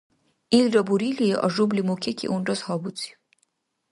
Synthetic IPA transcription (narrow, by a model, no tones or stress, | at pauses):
ilɾɔbuɾiliɛʔɔ̰ʒublimukʰɛkʰḭʔunɾɔshɔbut͡sʰi̥u